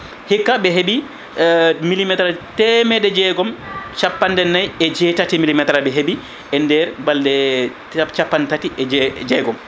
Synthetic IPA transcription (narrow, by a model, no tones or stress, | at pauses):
hikːabɛɦebi | milimɛtɾatɛmɛdɛd͡ʒɛɡɔmt͡ʃapːandɛnːajɛd͡ʒɛtatimilimɛtɾabɛɦebi | ɛndɛɾbaldɛ | t͡ʃapːantatiʔɛd͡ʒɛɡɔm